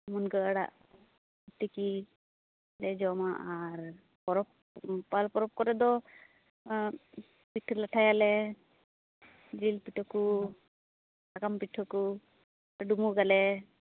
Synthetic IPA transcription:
munɡəəɽa̰ʔ | but̪iki | lɛd͡ʒɔmaʔaɾ | pɔɾɔp̚ | palpɔɾɔp̚kɔɾɛd̪ɔ | piʈʰːɔlaʈʰajalɛ | dɾilpiʈʰɔku | aɡampiʈʰːɔku | ɖumuɡalɛ

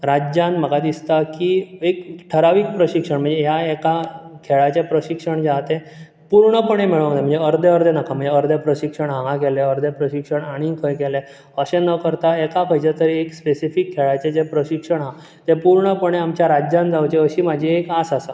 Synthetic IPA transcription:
ɾad͡ʑjanm̤əɡad̪ist̪akiːekʈʰəɾaʋikpɾəɕikʂəɳm̤əɳd͡zeɦjaekakʰeɭat͡ɕepɾəɕikʂəɳd͡ʑat̪e | puɾɳəpəɳemiɭãŋd̪em̤əɳd͡zeəɾd̪ʱeəɾd̪ʱenakam̤ə̃ɳd͡zeəɾd̪ʱepɾəɕikʂəɳɦãɦãkeleəɾd̪ʱepɾəɕikʂəɳaɽ̃ikʰəjkɛle | əɕenəkəɾt̪aekapʰəjd͡ʑet̪əɾiekspesifikʰːeɭat͡ɕed͡zepɾəɕikʂəɳɦa | t̪epuɾɳəpəɳeamt͡ɕjaɾad͡ʑjãnd͡zawt͡ɕeəɕiːmad͡ʑʱiekasasa

